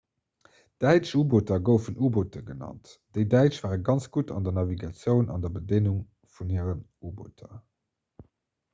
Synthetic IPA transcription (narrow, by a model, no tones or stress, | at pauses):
d̥æɪt͡ʃubotɐɡəʊfənʔubotʰəɡənɑ̰ntd̥eɪdæɪt͡ʃv̥aːʁəɡɑnt͡sɡ̥utʰɑ̰ndɐnɑviɡɑt͡sjəʊnɑ̰ndɐbədenuŋ | funhiəʁənubo̰tʰɐ